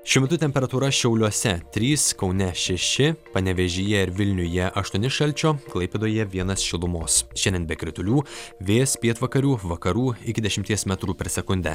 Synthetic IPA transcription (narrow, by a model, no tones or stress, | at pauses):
ʃʲʊːmʲɛt̪ʊt̪ʲɛmʲpʲɛɾɐt̪uːɾɐʃʲɛʊlʲuɔsʲɛt̪ʲɾʲiːskɒʊnʲɛʃʲɛʃʲɪpɐnʲɛʋʲɛʒʲɪjɛɪɾʋʲɪlʲnʲʊjɛʔɐʃt̪uɔnʲɪʃɐlʲt͡ʃʲoːklˠɐɪpʲeːd̪oːjɛʋʲiɛnɐsʃʲɪlˠʊmoːsʃʲɛnʲd̪ʲɛnbʲɛkɾʲɪt̪ʊlʲuːʋʲeːspʲiɛt̪ʋɐkɐɾʲuːʋɐkɐɾuːɪkʲɪd̪ʲɛʃʲɪmʲt̪ʲiɛsmʲɛt̪ɾuːpʲɛɾsʲɛkʊnʲd̪ʲɛ̰